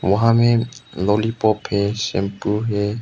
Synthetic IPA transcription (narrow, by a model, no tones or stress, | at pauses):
wɔɦãmɛ̃lɔlipɔphɛʃɛ̃mpuɦɛ